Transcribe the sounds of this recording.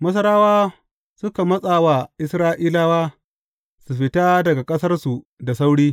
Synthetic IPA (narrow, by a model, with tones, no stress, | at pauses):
mɐ˦s̬ɐ˦ɾaː˦waː˦ | sʊ˦ka˨mɐ˦sʼaː˨wa˨ʔɪ˦sɾaː˦ʔiː˦laː˦waː˦ | su˨ɸɪ˦taː˦dɐ˨ɡa˨kʼɐ˦sɐ˦rsu˨ | da˨sa˦wɽiː˦